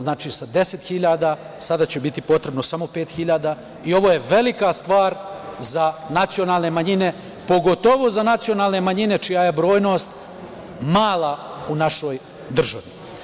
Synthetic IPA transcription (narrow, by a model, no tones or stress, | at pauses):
znaːt͡ʃisad̪e̞se̞t̪xiʎaːd̪a | sad̪at͡ɕebit̪ipo̞t̪ɾe̞bno̞samo̞pe̞ːt̪xiʎaːd̪a | io̞ʋo̞ːje̞ʋe̞likast̪ʋaːɾzanat̪sionaːlne̞maɲine̞ | po̞ɡo̞t̪oʋozanat̪sio̞naːlˠne̞maɲine̞t͡ʃijaje̞bɾo̞ːjno̞ːst̪ | maːlˠaunaʃoj | d̪r̩ʒaʋi